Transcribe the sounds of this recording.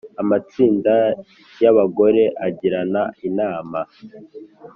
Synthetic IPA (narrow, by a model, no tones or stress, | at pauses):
amat͡siːnda | jaβaɡo̞ɾe̞ʔaɟiɾanainaːma